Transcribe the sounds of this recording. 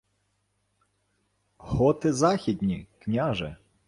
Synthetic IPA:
hɔt̪ɪzɑxʲid̪ʲnʲiknʲaʒɛ̰

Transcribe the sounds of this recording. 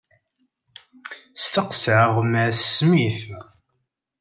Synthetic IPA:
st̪əqsʕəʁməsːmiθ

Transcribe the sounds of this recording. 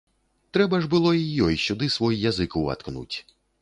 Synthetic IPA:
t̪ɾɛbɐʐbɨlˠɔijɔjʃud̪ɪsʋɔjjazɨkuwɐ̰t̪knṵtʲ

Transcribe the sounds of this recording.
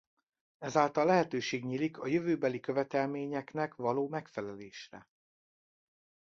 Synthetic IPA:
ɛzaːlt̪ɒlːɛɦɛt̪øːʃeːɡɲiːlikʰɒjøvøːbɛlikøvɛt̪ɛlmeːɲɛknɛkvɒloːmɛkfɛlɛleːʃrɛ̰

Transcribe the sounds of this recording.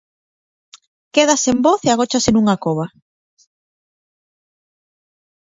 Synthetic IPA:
keðasemboθeaɣ̞ot͡ʃasɪnuŋakoβ̞a

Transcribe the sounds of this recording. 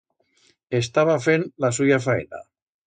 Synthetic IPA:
est̪aβafenlas̬ujafaḛna̰

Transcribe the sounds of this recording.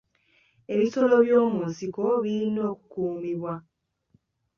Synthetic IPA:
e̞βiso̞lo̞βjoːmuːnsiko̞βiɾino̞ːku̥kuːmiβwa

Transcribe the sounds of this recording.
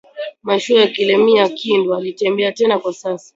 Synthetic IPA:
maʃuajakilɛmiakindɔalitɛmbɛatɛnakwasasḁ

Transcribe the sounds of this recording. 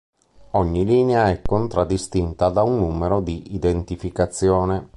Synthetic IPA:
ɔɲːiliːneaɛkːont̪ɾad̪ːist̪int̪ad̪aunːuːmeɾod̪iʔid̪ent̪ifikat̪sːjɔːne

